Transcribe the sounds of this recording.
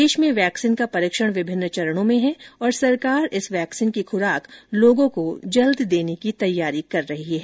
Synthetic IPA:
deːʃmẽʋɛːksinkapɐɾiːkʃəɽ̃ʋɪbʱɪnːt͡ʃɐɾəɽ̃õmẽɦɛɔːɾsɐɾkaːɾɪsʋɛːksiːnkixʊɾaːkloːɡõkod͡ʒɐld̪d̪eːnekit̪ɐjːaːɾikɐɾːɐɦiɦɛː

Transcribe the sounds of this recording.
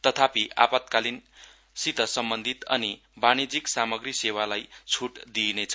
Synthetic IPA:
t̪ʌt̪ʰapiʔa̰pat̪kalin | sit̪ʌsʌmbʌnd̪ʱit̪ʌ̰ni | banid͡ziksamʌɡrisewalajt͡sʰuʈd̪inet͡sʰʌ

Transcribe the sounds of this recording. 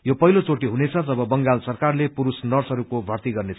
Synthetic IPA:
jopʌɦilot͡soʈiɦunet͡sʰʌt̪ʌbʌbʌŋɡalsʌrkarlepuɾusnʌrsɦʌɾukobʱʌrt̪iɡʌrnet͡sʰ

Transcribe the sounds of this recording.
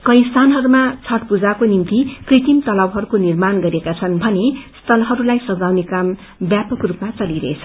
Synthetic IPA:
kʌj̃st̪ʰanɦʌɾumat͡sʰʌʈpud͡zakonimt̪ikrit̪imt̪ʌlʌwɦʌɾukonirmanɡʌɾiekat͡sʰʌnbʱʌnest̪ʰʌlɦʌɾulajsʌd͡zawnekam | bjapʌkrupmat͡sʌliɾʌ̰et͡sʰʌ̥

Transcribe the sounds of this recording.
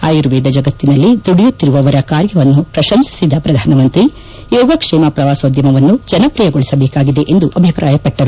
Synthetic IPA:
aːjiɾuʋeːd̪ɐd͡ʒɐɡɐt̪ːinɐlːid̪uɽijut̪ːiɾuʋɐʋɐɾɐkaːɾjɐʋɐnːupɾɐʃɐmsi̥sid̪ɐpɾɐd̪ʱaːnɐmɐnt̪ɾi | jɔːɡɐkʂɛːmapɾɐʋaːsod̪jɐmɐʋɐnːud͡ʒɐnɐpɾijɐɡoɭisɐbeːkaːɡid̪e̞ʔend̪uʔɐbʱipɾaːjɐpɐʈːɐɾu

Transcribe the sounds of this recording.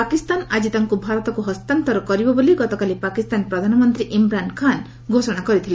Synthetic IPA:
pakist̪anad͡ʒit̪aŋkubʱaɾɔt̪ɔkuɦɔst̪ant̪ɔɾɔkɔɾibɔboliɡɔt̪ɔkalipakist̪anpɾɔd̪ʱanɔmɔnt̪ɾiʔimɾankʰan | ɡʱosɔɽ̃akɔɾit̪ʰile

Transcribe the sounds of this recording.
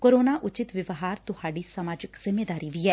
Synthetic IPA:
koːɾoːnaʔʊt͡ʃɪt̪ʋɪʋɦaːɾt̪ʊhaːɖiːsamaːd͡ʒɪkz̥ɪmeːd̪aːɾiʋiːɛː

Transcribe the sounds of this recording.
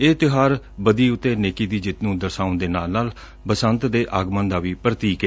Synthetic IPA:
eːt̪ɪɦaːɾ | bəd̪iːʊt̪ːeːneːkiːd̪iːd͡ʒɪt̪nũːd̪əɾsaːʊ̃nd̪eːnaːlnaːl | bəsənt̪d̪eːʔaːɡmə̃ːnd̪aːʋiːpɾət̪iːke

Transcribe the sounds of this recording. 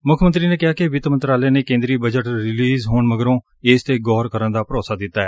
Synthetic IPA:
mʊkʰmənt̪ɾiːneːkɪɦaːkɪʋɪt̪mə̃nt̪ɾaːleːneːkẽːnd̪ɾiːbəd͡ʒəʈɾɪliːzɦoːɳməɡəɾõː | eːst̪eːɡɔːɾkəɾənd̪aːpəɾoːsaːd̪ɪt̪ːaːɦɛː

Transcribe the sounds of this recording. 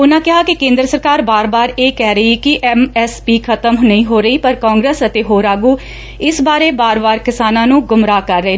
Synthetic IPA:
ʊnãːkɪɦaːkɪkẽːnd̪ɾəsəɾkaːɾbaːɾbaːɾeːkɛːɾəikɪʔɛmɛːspiːkʰət̪əmnəĩːɦoːɾəiːpəɾkãːŋɡɾeːsət̪eːɦoːɾaːɡuː | ɪsbaːɾeːbaːɾbaːɾkɪsaːnãːnũːɡʊmɾaːkəɾːəeː

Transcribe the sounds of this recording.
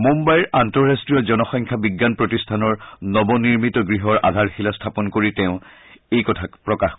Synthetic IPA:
mumbajɹʔantɔɹɹastɹijɔzɔnɔxɔŋkʰabiɡːanpɹotistʰanɔɹnɔbɔniɹmitɔɡɹiɦɔɹʔa̰dʱaɹxilastʰapɔnkoɹitɛʊ̃ | ejkɔtʰakpɹɔkax

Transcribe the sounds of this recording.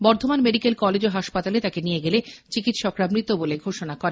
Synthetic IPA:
bɔɾt̪ʰomanmeɖikelkɔled͡ʑoɦaʃpat̪alet̪akenijeɡelet͡ɕikit̪ʃɔkɾabnit̪ːoboleɡʱoʃonakɔɾen

